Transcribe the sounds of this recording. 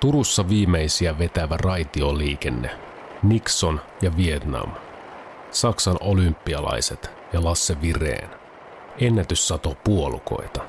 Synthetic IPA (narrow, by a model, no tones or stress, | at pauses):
t̪uɾusːɑʋiːme̞jsiæʋe̞t̪æʋærɑjt̪ioliːk̟e̞nːe̞̰ | nikso̞n | jɑʋie̞t̪nɑ̰m | sɑksɑnʔo̞lympːiɑlɑ̰jse̞t̪ | jɑlɑsːe̞ʋire̞̰ːn | e̞nːæt̪ysːɑt̪o̞puo̞lṵko̞̰jt̪ɑ̥